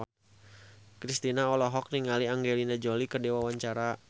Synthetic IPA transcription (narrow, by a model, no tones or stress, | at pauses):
kɾist̪inaɔlɔɦɔk̚niŋaliaŋɡelinad͡ʒolikərdewawaɲt͡ʃaɾa